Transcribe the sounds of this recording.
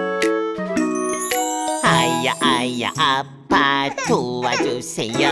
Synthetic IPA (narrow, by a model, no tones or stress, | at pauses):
hajaʔaja̰ʔa | pat̪uad͡ʒuseja